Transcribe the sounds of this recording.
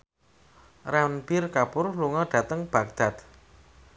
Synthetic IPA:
ranpɪrkabʊrluŋɔɖ̥a̤t̪əŋb̥a̤k̚d̪̥a̤t̪̚

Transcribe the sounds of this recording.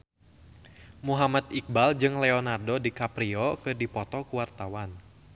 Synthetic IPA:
muɦamat̪̚ik̚bald͡ʒɨŋlɛɔnardɔdikapɾiɔkɨrdipɔt̪ɔkuwart̪awan

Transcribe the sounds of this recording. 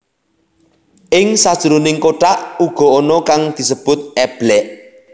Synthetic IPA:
ʔɪŋsad̥ʒ̥əɾunɪŋkoʈaʔuɡ̥ɔ̤onɔkaŋd̪̥i̤səb̥ʊt̪̚ɛb̥lɛʔ

